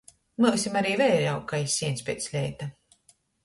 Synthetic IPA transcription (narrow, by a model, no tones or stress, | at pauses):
mɨksimaɾiːvɛjɾawkːajsʲiɛnspʲɛ̰t̪slʲɛjt̪a